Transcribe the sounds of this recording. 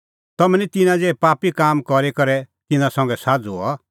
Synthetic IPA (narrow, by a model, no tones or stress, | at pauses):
t̪ɐmɛ̃nit̪ɪnãd͡zepaːpikaːmkɔɾekɐɾɛt̪ɪnãsɐ̃ŋ̆ɡɛsaːd͡zua̰